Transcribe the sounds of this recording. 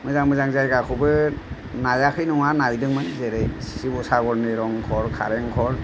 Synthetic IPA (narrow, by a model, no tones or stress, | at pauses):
mɯzaŋmɯzaŋzajɡakʰɔbɯ | najakʰɯjnɔŋanalidɯŋmanzeɾejsibɔsaɡɔɾnɯɾɔŋkʰɔɾkʰa̰ɾeŋkʰɔɾ